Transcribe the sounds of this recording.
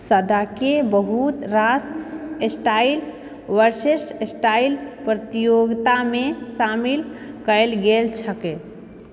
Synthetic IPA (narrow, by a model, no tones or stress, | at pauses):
səd̪akebəɦut̪ɾasesʈail | ʋəɾsesʈesʈailpɾət̪ijoɡt̪amesamilkəelɡelt͡ʃʰəke